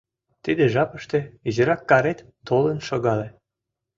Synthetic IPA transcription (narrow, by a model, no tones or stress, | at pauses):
t̪id̪eʒɑpəʃt̪e̽iʑəɾɑkːɑɾet̪ːolənʃoɣɑle